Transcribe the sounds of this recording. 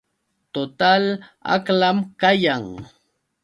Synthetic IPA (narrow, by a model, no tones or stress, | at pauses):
t̪ot̪ala̰klamkajaŋ